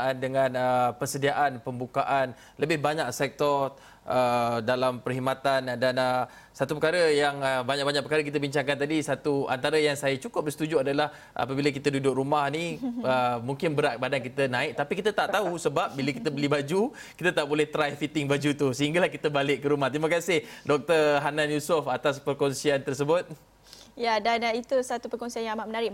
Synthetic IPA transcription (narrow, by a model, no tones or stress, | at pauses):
andəŋãnəpərsədiaʔanpəmbukaʔan | ləbɪhbaɲak̚sɛk̚t̪ɔr | ədalampərɦimat̪andanə | sat̪upəkaɾəjaŋəbaɲaʔk̚baɲaʔ̚pəkaɾək̬it̪əbiɲt͡ʃaŋkant̪adisat̪ua̰nt̪aɾəjaŋsajat͡ʃukʊp̚bəsə̥t̪ud͡ʒuadalah | ʔa̰pəbilək̬it̪ədudʊk̚rumahniəmuŋkɪnbəɾaʔ̚badankit̪ənãɪk̚t̪apikit̪ət̪aʔt̪ausəbap̚biləkit̪əbəlibad͡ʒu | kit̪ət̪aʔbolɛht̪ɾajfit̪ɪŋbad͡ʒut̪usəɦiŋɡalahkit̪əbalɪʔkːəɾumaht̪iməkasɪhdɔk̚t̪ərɦananjusʊfat̪aspərkɔnsiant̪ərsəbʊt̪̚ | jadanit̪usat̪upərkɔnsianjaŋmaʔmənaɾɪ